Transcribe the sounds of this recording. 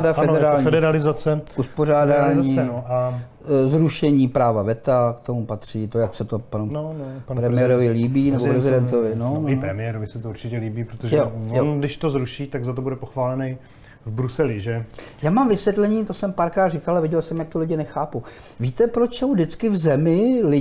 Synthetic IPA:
dafɛdɛɾaːlɲiɛdɛɾalɪzat͡sɛʔuspor̝aːdaːɲiːa | zɾuʃɛɲiːpɾaːvavɛt̪akt̪o̞mupat̪r̝̥iːt̪ojaksɛt̪opanunopɾɛmɪɛɾovɪliːbiːnɛbopɾɛzɪdɛnt̪ovɪnoɪpɾɛmɪɛɾovɪsɛt̪ouɾt͡ʃɪcɛliːbiːpɾot̪oʒɛvjndɪʃt̪ozɾuʃiːt̪aɡzat̪obudɛpoxvaːlɛnɛj | vbɾusɛlɪʒɛjaːmamvɪsvjɛt̪lɛɲiːt̪osɛmpaːɾkɾaːt̪rɪkalɛvɪɟɛlsɛmjak̚t̪ʊlɪɟɪnɛxaːpu | viːt̪ɛpɾot͡ʃso̞wdɪt͡skɪvzɛmɪlɪ

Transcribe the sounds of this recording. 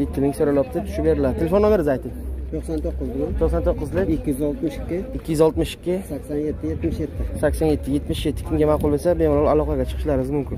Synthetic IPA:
jet̪ʰːɪmɪŋsoɾalɒp̚t̪ʰɪt̪ʰʊ̥ʃɪp̚be̞ɾɪlad̪ɪt̪ʰelefonːome̞ɾɪzajt̪ʰɪkʲt̪ʰoksant̪ʰoqːʊzlɪt̪ʰoqsant̪ʰoqːɨzlˠɪkʲɪkʲːɪjyzɒlˠt̪mɪʃɪ̥kʲʰːɪɪkʲʰːijyzɒlˠt̪mɪʃɪ̥kʲːɪsakʲsanjet̪ʰːɪjet̪mɪʃjet̪ʰːɪsakʲsanje̞t̪ʰːɪje̞t̪mɪʃjet̪ʰːɪ̥kʲʰɪmɡʲamaqʊlˠbosabemɒnlɒlˠalˠɒqʰɑɡʲat͡ʃʰɨ̥qʰɨ̥ʃlaɾɪɪzmʊmkʲʰɪn

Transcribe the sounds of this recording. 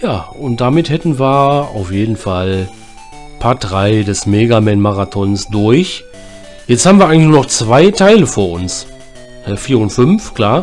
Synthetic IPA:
jaːʔʊnt̚d̥amɪthɛtn̩viːɐa̰ʊfjeːdn̩fal | pʰatʁaɪdɛsmeːɡamɛnmaʁatʰɔnsd̥ʊɐç | jɛt͡sthaːbm̩viɐaɪɡŋlçnuːnɔχt͡sv̥aɪtʰaɪləfoːɐʔʊns | taɪfiːɐʊntfʏnfkl̥aːɐ

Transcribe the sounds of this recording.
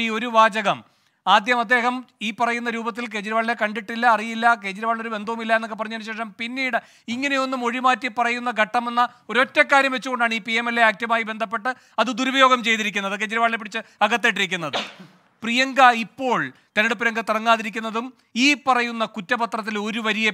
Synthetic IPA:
iːo̞ɾuʋaːd͡ʑɐɣɐm | aːd̪jɐmɐd̪ːe̞ːɦɐmiːpɐrɐjunːɐɾuːbɐt̪̬ːilk̬e̞ːt͡ɕiɾɐʋaːɭnekɐɳɖiʈːilːɐːrijilːɐke̞ːt͡ɕɐɾɐʋaːɭinoɾube̞nd̪ʱɐʋɐmilːɐenːokːepɐrɐɲːuɐnuɕe̞ːʂɐmpinːiːɽɨ | iŋːɐne̞jo̞nːumo̞ɻimaːtːipɐrɐjunːɐɡʱɐʈːɐme̞nːɐ | oɾo̞tːekːaːɾjɐmʋe̞t͡ɕːuɣo̞ɳɖaːɳiːpiemelːeaːk̚tjɐmaːjibe̞nd̪ʱɐp̬ːe̞ʈːɨ | ɐðɨd̪uɾubɐjo̞ːɡɐmt͡ɕe̞jt̪iɾikʲːunːɐðɨke̞ːt͡ɕiɾɐʋaːɭinep̬ːiɽit͡ɕːɨɐɡɐt̪ːeːʈːiɾikʲːunːɐðɨ | prijɐŋɡɐipːo̞ːɭt̪ɐniɽɨpːiɾjɐŋɡɐt̪irɐŋːaːðiɾik̬ʲːunːɐðum | iːpːɐrɐjunːɐkutːɐpɐt̪rɐt̪̬ːilo̞ɾuʋɐɾije

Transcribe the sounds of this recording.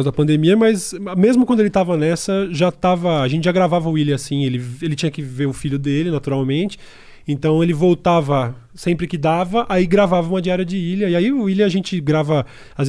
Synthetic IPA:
zd̪ɐpɐ̃nd̪emiɐmɐzmezmʊkwɐ̃d̪ʊelɪt̪avɐnɛsɐʒat̪avɐaʒẽtt͡ʃɪʒaɡɾavavɐʊilɪasĩelɪelɪt͡ʃĩɲɐkɪveɾʊfiʎʊd̪elɪnat̪uɾawmẽnt͡ʃɪ̥ | ẽnt̪ɐ̃w̃elɪvowt̪avɐ | sẽmpɾɪkɪd̪avɐʔaiɡɾavavɐũmɐd͡ʒiɛɾɐd͡ʒɪilɐiaiʊilɪaʒẽnt͡ʃɪɡɾavɐ | az

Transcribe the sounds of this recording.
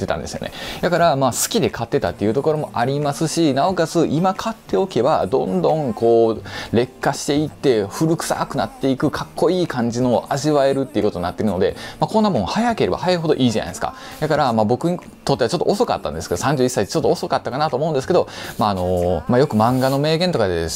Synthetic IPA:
t̪ːet̪ã̰nd̪e̞sɨjo̞̰ne̞̰d̪akaɾamaːsɨ̥kʲid̪e̞kʰat̪ːe̞t̪at̪ːe̞iɯ̟t̪o̞ko̞ɾo̞mo̞ʔaɾʲimasɨɕinaokazɨʔimakʰat̪ːe̞o̞ke̞bad̪õ̞nd̪õ̞ŋko̞ːɾe̞kːaɕi̥t̪e̞it̪ːe̞ɸɯ̟ɾɯ̟kɯ̟̥sa̰kɯ̟na̰t̪ːe̞ikɯ̟kʰakːo̞iːkʰãɲ̟d͡ʑinoʔaʑiβae̞ɾɯ̟t̪ːe̞iɯ̟kot̪oinat̪ːe̞ɾɯ̟no̞d̪e̞̰makõ̞nːamõ̞hajake̞ɾe̞ba̰hajaɯɦo̞d̪o̞ʔiːʑana̰j̪eska̰ | d̪akaɾamabo̞kɯ̟ɲ̟i | t̪o̞t̪ːeat͡ɕo̞t̪ːo̰oso̞ka̰t̪ːã̰nd̪esɨked̪osãɲ̟d͡ʑɨːisːait̪et͡ɕo̞t̪ːoːso̞kat̪ːakanat̪oːmoɯ̃nd̪es̬keo̞maːno̞majo̞kɯ̟mãŋɡano̞me̞ːɡẽ̞nt̪o̞kad̪e

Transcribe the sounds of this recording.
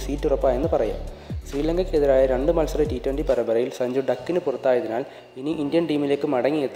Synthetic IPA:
siːtːurɐpːaːjenːɨpɐrɐja̰ːmsriːlɐŋɡɐkːeðiɾaːjɐɾeɳɖɨmɐlsɐrɐtiːtːwɐɳɖipɐɾɐbɐɾɐjilsɐɲd͡ʑuɖɐkːinɨpurɐt̪ːaːjɐðinaːl | iniʔindjɐnʈiːmile̞ːkːɨmɐɽɐŋːiet̪ː

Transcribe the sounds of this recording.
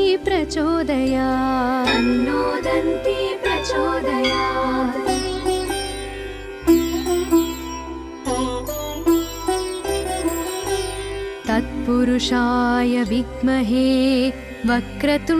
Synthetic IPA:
pɾɐt͡ʃoːd̪ɐjaːɐnːoːd̪ɐnt̪ipɾɐt͡ʃoːd̪ɐjaː | t̪ɐt̪̚puɾuʂaːjɐʋiɡmɐɦeː | ʋɐkɾɐt̪u

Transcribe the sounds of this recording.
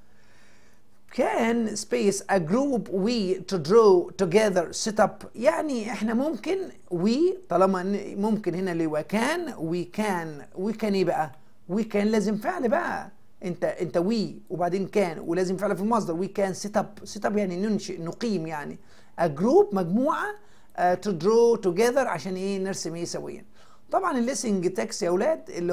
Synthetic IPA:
kæːnspeːjsʔæɡɾuːbwiːt̪ʊd̪ɾoːt̪ʊɡɛðɑɾset̪ɑbjaʕniʔeħnæmʊmkɪn | wiːt̪ˤɑlɑmɑmʊmkɪnhenælewækæːnwiːkæːnwiːkæːneːbæʔæ | wiːkæːnlæːzɪmfeʕlibæʔæ̰ | ʔent̪æʔent̪æwiːwebaʕd̪eːnkæːnwelæːzemfeʕlifilmɑsˤd̪ɑɾwiːkæːnset̪ɑbset̪ˤɑbjaʕninonʃeʔnoqiːmjaʕni | ʔæɡɾuːbmæɡmuːʕa | t̪ed̪ɾoːt̪ʊɡæðɑɾˤʕa̰ʃæːnʔeːneɾsemʔeːsæwḛjːæ̰ | t̪ˤɑbʕɑnelːesɪŋɡt̪æksiʔæwlæːd̪elːi

